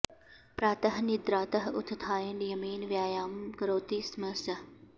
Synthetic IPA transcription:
pɾaːt̪ɐɦnid̪ɾaːt̪ɐɦʊt̪ʰːt̪ʰaːjɐɳɖjɐmiːnʋjaːjaːmkɐɾoːt̪iːsmɐsɐ

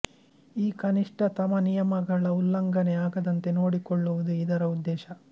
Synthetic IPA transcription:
iːkɐniʂʈɐt̪ɐmɐnijɐmɐɡɐɭɐulːɐŋɡɐneaːɡɐd̪ɐnt̪e̞no̞ːɽikoɭːuʋud̪uid̪ɐɾɐud̪ːɛːʃɐ

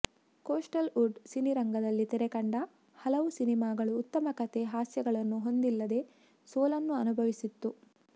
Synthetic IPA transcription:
koːsʈɐluɖsiniɾɐŋɡɐd̪ɐlːit̪ɛɾekɐɳɖɐ | hɐlɐʋusinimaːɡɐɭuːt̪ːɐmɐkɐt̪e̞ɦaːsjɐɡɐɭɐnːuɦo̞nd̪ilːɐd̪e̞ | soːlɐnːuɐnubʱɐʋisit̪ːu

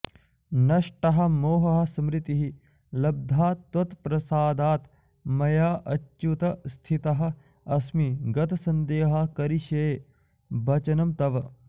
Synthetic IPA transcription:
nɐʃʈɐɦɐ̆moːɦɐɦɐ̆sɐmɾɪt̪iɦi | lɐb̚d̪ʱaːt̪ɐt̪pɾɐsaːd̪aːt̪ | mɐjaːʔɐt͡ʃːʃut̪ɐst̪ʰit̪ɐɦɐ̆ | ɐsmiɡɐt̪ɐsɐnd̪eːɦɐkɐɾiʃeː | bɐt͡ʃɐnɐmt̪ɐʋɐ

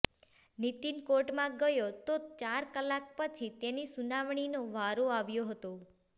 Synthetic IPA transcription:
nit̪inkoʈmãɡəjot̪ot͡ʃaɾkəlak̚pət͡ʃʰit̪enisunaʋɳ̃inoʋaɾoaʋjoɦət̪o

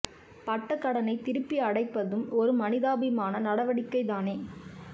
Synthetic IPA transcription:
pɐʈːɐkːɐɽɐnɐɪt̪ɪɾɯpːiɐɽɐɪpːɐðɯmɔɾɯmɐnɪðaːbɪmaːnɐnɐɽɐʋɐɽɪkːɐɪðaːneː

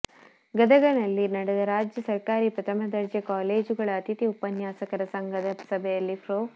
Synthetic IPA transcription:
ɡɐd̪ɐɡɐnɐlːinɐɽɛd̪ɐɾaːd͡ʒjɐsɐɾkaːɾiːpɾɐt̪ɐmɐd̪ɐɾd͡ʒɐkaːleːd͡ʒuɡɐɭɐːt̪it̪iupɐnjaːsɐkɐɾɐsɐŋɡɐd̪ɐsɐbʱɛjɐlːipʰɾoː

